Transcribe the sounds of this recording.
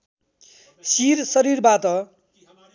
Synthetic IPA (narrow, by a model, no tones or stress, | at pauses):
sirsʌɾirbat̪ʌ